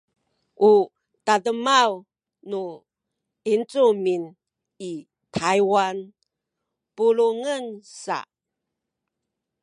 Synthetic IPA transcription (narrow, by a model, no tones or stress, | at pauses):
ʔu | tadəmaw | nu | int͡sumin | i | tʰajwan | puluŋənsa̰